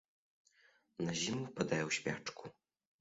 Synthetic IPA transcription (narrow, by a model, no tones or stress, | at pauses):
nɐʑimupad̪ajɛwɕʲpʲa̰t͡ʂku